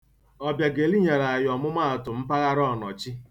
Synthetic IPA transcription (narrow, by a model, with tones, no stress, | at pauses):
ɔ˨bja˨ɡe˨li˦ɲa˨ɾa˨a˨jɔ˨mʊ˦ma˦a˨tʊ˨m̩˦pa˦ɣa˦ɾɔ˦˨nɔ̰˨t͡ʃi˦